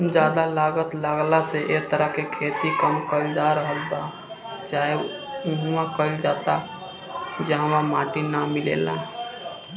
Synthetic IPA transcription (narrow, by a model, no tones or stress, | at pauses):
d͡ʒaːd̪alaːɡət̪ləɡlaseʔek̚t̪əɾəɦkekʰeːt̪ikəmkəɪld͡ʒaɾəɦəlba | t͡ʃaːe | uɦuãkəɪld͡ʒaːt̪a | d͡ʒəɦwamaːʈinamilḛːla̰